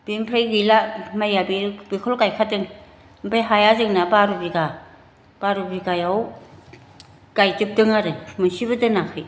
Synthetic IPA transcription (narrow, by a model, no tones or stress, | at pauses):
b̥impʰɾajɡilamajabibikʰɔlɡajkʰadɯŋ | bajɦajazɯŋnabaɾubiɡa | b̥aɾubiɡajaw | ɡ̥ajtɯp̚dɯŋaɾɯmɯsiβɯdɯnakʰɯj